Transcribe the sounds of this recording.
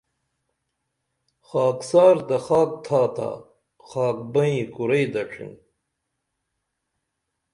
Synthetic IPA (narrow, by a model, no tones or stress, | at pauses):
xaːksaːɾd̪ɐxaːk̚t̪ʰaːt̪ʰa̰ | xɑːk̚bɐĩkuɾɐjd̪ɐʈ͡ʂʰḭn